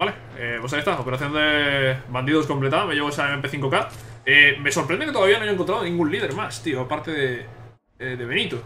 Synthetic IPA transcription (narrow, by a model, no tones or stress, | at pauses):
ale | eβos̬ajest̪aopeɾaθjond̪eβãnd̪iðosko̞mplet̪aðmeʝeɣoesaemepeθiŋkoka | emesoɾpɾeneket̪oaβianoeɲoeŋkont̪ɾaðonĩŋɡũnliðeɾmast̪ioapaɾt̪eðe | eðeβenit̪o